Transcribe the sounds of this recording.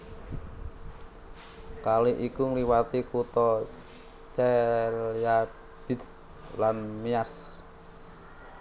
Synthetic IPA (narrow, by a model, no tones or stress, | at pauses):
kaliʔikuŋliwat̪ikut̪ɔ | t͡ʃɛlja | b̥it̪ | lanmias